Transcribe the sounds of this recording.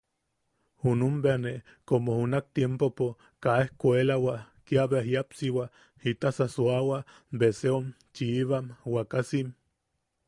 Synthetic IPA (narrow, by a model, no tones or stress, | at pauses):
hunumbeane | komohunak̚t̪jempopo | kaehkʷoelawakiaβeɦjapsiwa | hit̪asasuawa | beseom | t͡ʃiːβamwakasim